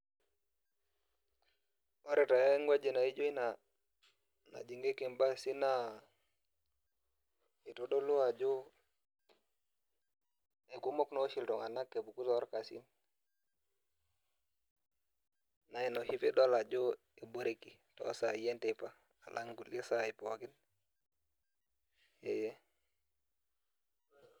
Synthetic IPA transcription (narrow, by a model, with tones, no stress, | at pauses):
ɔ˦ɾe˨ta˨jɔ˦ŋɡwa˦d͡ʒe˨na˨i˦d͡ʒo˦i˦na˨ | na̰˨d͡ʒi˨ŋɡe˦ke˨mba˦si˦na˦ | e˨to˦ɗɔ˦lu˦a˨d͡ʒo˦ | e˨ku˦mɔ˦knɔ˦ʃi˨ltɔ˨ŋa˨na˦kːe˨bu˨ku˦tɔ˨ɔ˦ɾka˨sḭ˦m | na˨i˨no˨hi˦pe˦dwa˦la˨d͡ʒo˦ | e˨bo˨˦ɾe˦ki˨tɔ̰˨˦sa˨i˦jɛ˦ntepa˦ | a̰˨lʔa̰˦ŋɡu˨li˦sa˨i˨pɔ˨ɡi˦n | e˨jɛ˦